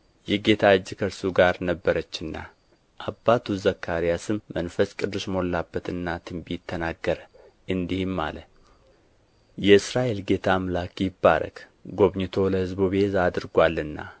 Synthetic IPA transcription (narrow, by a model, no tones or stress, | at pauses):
jɛɡe̞t̪ʰad͡ʒːɪkʰəɾsuɡaɾnəbːəɾət͡ʃːɨnːa̰ | ʔabːat̪ʰuzəkʰːaɾijasɨmːənfəskʼɨd̪ːɨʃməolːabːət̪ɨnːat̪ʰɨmbit̪ʰːənaɡːəɾə | ʔɨnd̪ihɪmːa̰lə | jɛɨsɾaʔe̞lɡe̞t̪ʰamlakjɪbːa̰ɾə̰k | ɡo̞βɲɪt̪ʰo̞ləhɨzbuβhezad̪ɨɾɡʷalːɨnːa̰